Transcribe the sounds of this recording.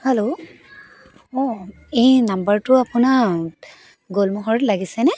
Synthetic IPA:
hɛlo | ɔ | ejnambaɹtʊapʊna | ɡolmɔɦɔɹɔtlaɡisɛnɛ

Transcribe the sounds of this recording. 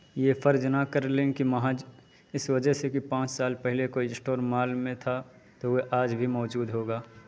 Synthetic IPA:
jefʰəɾd͡ʒnakəɾlẽːkimɐɦãd͡ʒ | ɪswəd͡ʒɛsekipãːt͡ʃsaːlpɛɦɪlekoɪ̃sʈoːɾmaːlmẽt̪ʰa | t̪oeʔaːd͡ʒbʱimɔːd͡ʒuːd̪ɦoːɡaː

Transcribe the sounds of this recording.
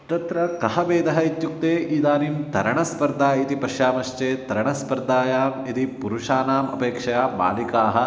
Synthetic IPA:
t̪ɐt̪ɾɐkɐɦɐʋeːd̪ɐɦɐit̪juk̚t̪eːʔiːd̪aːnimt̪ɐɾɐɳɐspɐɾd̪aːjit̪ipɐʃjaːmɐʂt͡ʃeːt̪ɐɾɐɳɐspɐɾd̪aːjaːmid̪ipuɾuʂaːnaːmɐ̰peːkʂɐjaːba̰ːlikaːɦɐ̆

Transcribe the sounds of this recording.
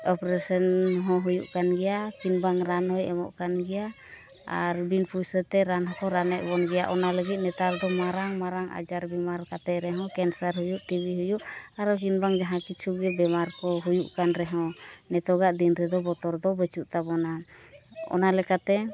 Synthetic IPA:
ɔpɾɛsənɦɔ̃ɦujuʔkanɡɛjakinbaŋɾanɔjɛmɔ̰ʔkanɡɛja | a̰ɾbinpujsət̪ɛɾanɦɔkɔɾanɛʔ̚bɔnɡɛja̰ʔɔnaləɡit̪̚ˀnɛt̪ald̪ɔmaɾaŋmaɾaŋa̰d͡ʒaɾbɛmaɾkat̪ɛʔɾɛɦɔ̃kɛnsaɾɦujuʔt̪ibiɦujuʔaɾɔkinbaŋd͡ʒaɦãkit͡ʃʰuɡɛbɛmaɾkɔɦujuʔkanɾɛɦɔ̃nɛt̪ɔɡaʔd̪inɾɛd̪ɔbɔt̪ɔɾd̪ɔbət͡ʃuʔt̪abɔna | ɔ̰nalɛkat̪ɛ

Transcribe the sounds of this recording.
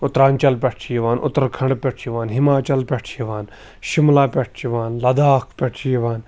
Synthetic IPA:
ʊt̪ɾaːnt͡ʃɐlpʲɛʈʰt͡ʃʰijiʋaːnʔʊ̰t̪əɾkʰɐ̃ɳɖpʲɛʈʰt͡ʃiʋaːnɦɪmaːt͡ʃɐlpʲɛʈʰjiʋaːn | ʃɪmlaːpʲɛʈʰt͡ʃiʋaːnlɐd̪aːkʰpʲɛʈʰt͡ʃijiʋaːn

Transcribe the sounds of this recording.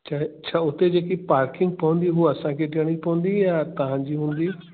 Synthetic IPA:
t͡ɕʰaɦt͡ɕʰaːʊt̪ed͡ʑeːkipaːɾkɪ̃ŋɡ̚pɐʋə̃nd̪iɦuɐsãkʰeʈɪɽ̃ipɐʋə̃nd̪ijãːt̪ɐʋ̤ãɲd͡ʑiːɦũːn̆d̪i

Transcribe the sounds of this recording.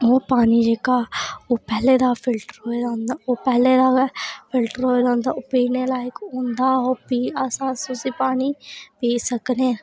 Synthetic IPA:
ɦoːpaːniːd͡ʒeːkaːoːpɛːleːd̪aːpʰɪlʈəɾɦoːeːd̪ãːnd̪aːoːpɛːleːd̪aːpʰɪlʈəɾɦoːeːd̪ãːnd̪aːoːpiːneːlaːɪkõːnd̪aːoːpiːasãːsʊsiːpaːniːpiːsəkneː

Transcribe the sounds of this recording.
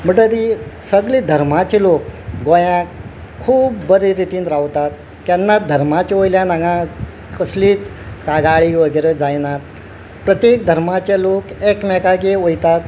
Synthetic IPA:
m̤əɳʈəɾisəɡlid̪ʱəɾm̤at͡ɕelokɡojãk | kʰːuːbːəɾiɾit̪iːnɾaʋt̪at̪̚ | kjanːad̪ʱəɾmat͡ɕeojljanaɡã | kəsliːt͡skaɡaɭiːʋəɡəɾed͡zajnat̪ | pɾət̪jek̚d̪ʱəɾmat͡ɕelokekmɛkakeojt̪at̪

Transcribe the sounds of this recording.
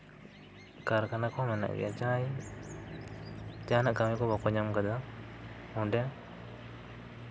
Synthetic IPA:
kaɾkanakomana̰ḭa̰t͡ʃaːji | d͡ʒaːnakamikobakɔɲamkad̪a | uɳɖe

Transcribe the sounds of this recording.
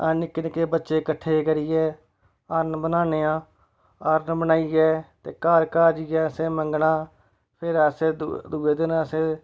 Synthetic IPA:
anɪkːɪnkeːbətːʃeːkəʈʰːeːkəɾiːɛː | aːɾnbənaːneːãː | aːɾnbənaːiːɛːt̪eːkaːɾkaːd͡ʒiːɛːsẽːməŋɡɳãː | pʰɪɾəseːd̪uːeːd̪ɪnəseː

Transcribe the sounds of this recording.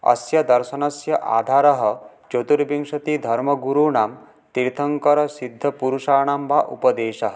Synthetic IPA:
ɐ̰sjɐd̪ɐɾʃɐnɐsjɐʔa̰ːd̪ʱaɾɐɦɐ | t͡ʃot̪uɾbiŋʂɐt̪id̪ʱɐɾmɐɡuɾuɳaːm | t̪iɾt̪ʰɐŋkɐɾɔsid̪ʱːɐpuɾuʂaːɽ̃ambaʔṵpɐd̪eːʃɐɦ

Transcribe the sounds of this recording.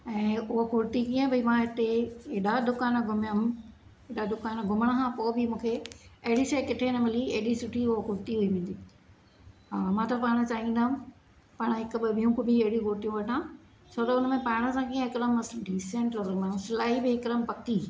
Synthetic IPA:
ɛ̃ːʊɦokʊɾt̪ikiːə̃bʱɐimãɪt̪eɗad̪ʊkaːnɡʱʊmjəm | ɪɗad̪ʊkaːnɡʱʊməɽ̃əɦãpoːbɪmũːkʰeɐɦɪɽiseːkɪʈʰenɐmɪliɐɦɪɗisʊʈʰiʊɦokʊɾt̪iɦuiʋẽːn̆d̪i | aːmãːt̪ɐpaːɽ̃ə̆t͡ɕaːɦĩːnd̪aːɦm | paːɽ̃ɦɪkbɪʋʱijũkʊbʱiɐɦɪɽijũkʊɾt̪ijũʋɐʈʰãː | soːt̪ɐʊnəmẽpaːɽ̃ə̆sãkĩːɦɪkɗəmɐsɖiːsẽɳʈɔɾmãsɪlaːɦibɪɦɪkɾəmpɐkiː

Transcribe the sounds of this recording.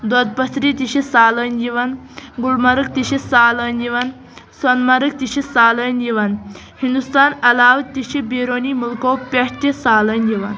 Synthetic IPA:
d̪əd̪̚pət̪ɾit̪iɕisaːlənd͡ʑiʋanɡulmaɾək̚t̪iɕisaːlənd͡ʑiʋən | sɐnmaɾək̚t̪iɕisaːlənd͡ʑiʋɐn | hind̪ust̪aːnɐlaːʋt̪iɕibeɾonimulkowpʲɐʂt̪isaːlənd͡ʑiʋan

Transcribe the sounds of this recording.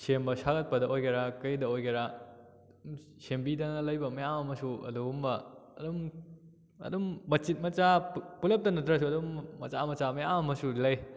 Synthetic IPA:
sembɐsaɡɐt̚pɐdɐʔojɡeɾakɐjdɐojɡeɾa | sembidɐŋɐlɐjbɐmɐjamɐmɐsuɐ̰duɡumbɐːdum | ɐ̰dumbɐtt͡ʃit̚mɐt͡ʃapulɐp̚tɐnɐtɾɐsuɐdumːɐ̰t͡ʃamɐt͡ʃamɐjamɐmɐsulɐj

